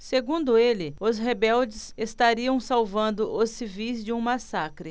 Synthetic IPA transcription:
seɡũnd̪ʊelɪʊsɦebɛwd͡ʒɪsest̪aɾiɐ̃w̃sawvɐ̃nd̪ʊʔʊsivijzd͡ʒɪũmasakɾɪ

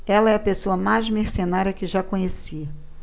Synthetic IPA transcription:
ɛlɐɛɐpesoɐmajzmeɾsenaɾjɐkɪʒakõɲesi

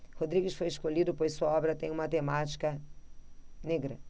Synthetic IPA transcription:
hod̪ɾiɡɪsfojɪʃkolid̪ʊpojssuɐɔbɾɐt̪ẽj̃ũmɐt̪emat͡ʃi̥kɐ | neɡɾɐ̰

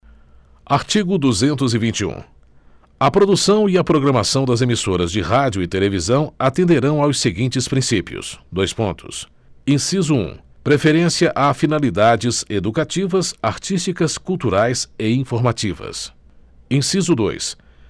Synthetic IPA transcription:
aɾt͡ʃiɡʊd̪uzẽnt̪ʊzɪvĩnt͡ʃiṵ̃ | ɐpɾod̪usɐ̃w̃iɐpɾoɡɾɐmasɐ̃w̃d̪ɐzemisoɾɐzd͡ʒɪɦad͡ʒjʊɪt̪elevizɐ̃w̃at̪ẽnd̪eɾɐ̃w̃awseɡĩnt͡ʃɪspɾĩsipiʊ̰sd̪ojspõnt̪ʰʊ̰s | ẽsizuṵ̃pɾefeɾẽsiɐʔafinalid̪ad͡ʒɪzed̪ukat͡ʃivɐsaɾt͡ʃist͡ʃikɐskuwt̪uɾajsɪĩfoɾmat͡ʃivɐ̰s | ẽsizʊd̪o̰js

